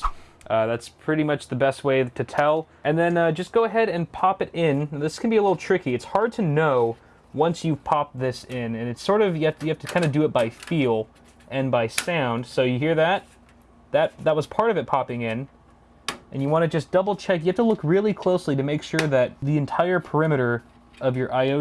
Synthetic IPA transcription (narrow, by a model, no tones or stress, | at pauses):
ʔʌðætspʰɹ̥ɪɾimʌt͡ʃðɨbɛst̚weɪɾɨtʰɛlˠ | ʔɨ̃nðɨ̃nʌd͡ʒʌsɡ̥oʊəɦɛɾɨ̃npʰɑpɨɾɪ̃nðɪskʰn̩biəlɪɾl̩ˠtʰɹ̥ɪkiɨtshɑɹd̚tʰɨnoʊ | wʌ̃nsjʉv̥pʰɑp̚t̪̚ðɪsɪ̃nɨ̃nɨtsɔɹɾʌvjɨhæftjɨæftɨkʰãɪ̃ndɨdɨːt̚b̥aɪfilˠ | ʔɨ̃nbaɪsãʊ̃nd̥soʊjɨɦiɹðɨt̪̚ | ðɨt̪̚ðət̚wʌz̥pʰɑɹɾʌvɨt̚pʰɑpɪ̃ŋɪ̃n | ʔɨ̃njɨwɑ̃ñɨd͡ʒʌsd̥ʌbl̩ˠt͡ʃʰɛkjɨæftəlʊkɹɪlˠikʰl̥oʊsliɾɨmeɪkʃʊɹðɨt̪̚ðiɨ̃ntʰaɪə˞pʰə˞ɪ̃mɨɾə˞ | ʌvjə˞ʔaɪoʊ